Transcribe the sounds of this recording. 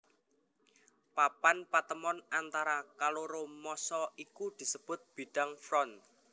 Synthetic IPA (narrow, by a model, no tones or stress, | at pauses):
papanpat̪əmɔnant̪aɾakaloɾomɔsɔʔikud̪̥i̤səb̥ʊ̤t̪̚b̥i̤ɖ̥a̤ŋfɾɔn